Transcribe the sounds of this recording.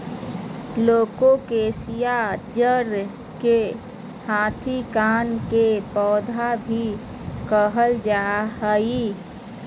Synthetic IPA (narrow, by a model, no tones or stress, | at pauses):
loːkõkeːsijad͡ʒəɾ | ke | hãːt̪ʰikaːnkepɔːd̪ʱabʱi | kəɦəld͡ʒaːɦəi